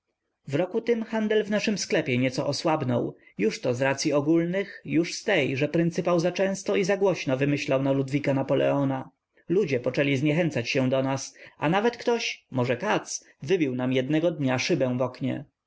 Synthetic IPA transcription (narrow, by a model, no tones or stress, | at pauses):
vɾɔkut̪ɘmxand̪ɛlvnaʂɘmsklɛpʲjɛɲɛt̪sɔʔɔswabnɔ̰w | juʂt̪ɔzɾat̪sʲjiɔɡulnɘxjuʂst̪ɛjʐɛpɾɘnt̪sɘpawzat͡ʂɛ̃st̪ɔizaɡwɔɕnɔvɘmɘɕlawnalud̪vʲikanapɔlɛ̰ɔna | lud͡ʑɛpɔt͡ʂɛlʲizɲɛxɛnt̪sat͡ɕɕɛ̃d̪ɔnasa̰navɛt̪kt̪ɔɕmɔʐɛkat̪s | vɘbʲiwnamjɛd̪nɛɡɔd̪ɲaʂɘbɛ̃w̃vɔkɲɛ̰